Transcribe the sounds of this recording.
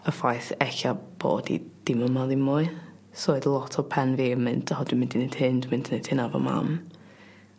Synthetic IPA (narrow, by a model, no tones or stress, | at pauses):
əfajθɛɬab̥o̰ːdḭd̥ɪməmaðɪmʊɨ | sɔːɨdəlˠɔtʰɔpʰɛnviːmɨndhɔdwɪmɪndined̥hɨndmɪndinedhɨnavɔ̰ma̰m